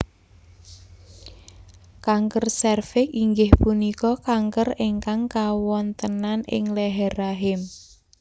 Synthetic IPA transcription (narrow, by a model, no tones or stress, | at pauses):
kaŋkərsɛrfɪkiŋɡɪhpunikɔkaŋkəreŋkaŋkawɔnt̪ənanɪ̰ŋlɛɦɛraɦɪm